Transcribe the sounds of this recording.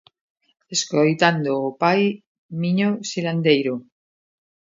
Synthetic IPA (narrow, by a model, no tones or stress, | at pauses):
eskojt̪and̪oːpaj | mĩɲosiland̪ejɾo